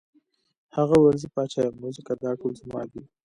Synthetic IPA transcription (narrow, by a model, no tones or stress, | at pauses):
haɣawaɾzipɑt͡ʃajamuzɪkad̪ɑʈolzmɑ̰ːd̪i